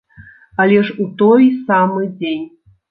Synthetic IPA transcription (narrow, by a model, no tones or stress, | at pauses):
alʲɛʂut̪ɔjsamɨd͡zʲenʲ